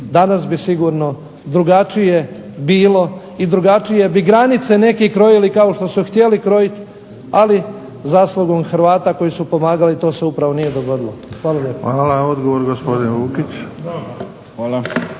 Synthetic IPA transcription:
d̪anasbisiɡuːɾno̞ | d̪ɾuɡat͡ʂije̞ | biːlo̞ | id̪ɾuɡat͡ʂije̞biɡɾanit̪se̞ne̞kikɾo̞jilikaoʃt̪o̞suxt̪je̞likɾo̞jit̪ | ali | zaːslˠuɡomxɾʋaːt̪ako̞jisupo̞maːɡalit̪o̞ːseupɾaʋo̞nije̞d̪o̞ɡo̞d̪ilˠoxʋaːlaʎepoaːlaod̪ɡoʋoɾɡospod̪inʋuːkit͡ɕ | xʋaːla

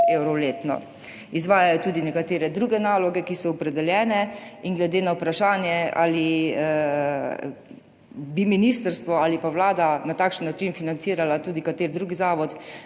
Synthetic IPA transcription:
eːwɾɔleːt̪nɔ̰ | izʋaːjajɔt̪uːd̪inɛkat̪eːɾɛd̪ɾuːɡɛnaːlɔɡɛkisɔɔpɾɛd̪ɛljɛːnɛinɡlɛd̪eːnawpɾaʃaːnjɛa̰li | biminist̪əɾst̪ʋɔaːlipawlaːd̪anat̪aːkʃənːat͡ʃinfinant̪siːɾalat̪uːd̪ikat̪eːɾd̪ɾuːɡizaːʋɔt̪

